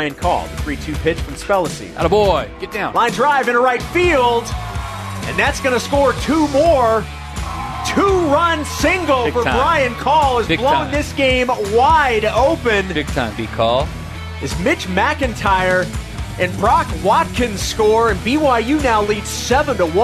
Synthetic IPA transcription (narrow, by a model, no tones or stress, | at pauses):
ɪɨ̃nkʰɔ̰lˠðəθɹitʰʉpʰɪt͡ʃfʌ̃mspɛlˠəsḭɾəbɔɪɡ̥ɛt̚d̥ãlãɪ̃ndɹaɪvɨ̃nəɹaɪtfilˠd | ɨ̰̃nðætsɡ̥ʌnɨskɔɹtʰumɔɹ | tʰuɹʌ̃nsɪ̃ŋɡl̩ˠfə˞bɹaɪɨ̃nkʰɔlˠəzlõnðɪsɡ̥ẽɪ̃mwaɪɾoʊpɨ̃nbɪɡ̚tʰã̰ɪ̃mbikʰɔlˠ | ɨzmɪt͡ʃmækɨ̃ntʰaɪə˞ | ʔɨ̃nbɹɑkwɑt̚kʰɨ̃n̥skɔɹɨ̃nbiwaɪjʉnaʊlid̥sɛvə̃ntəwʌ̃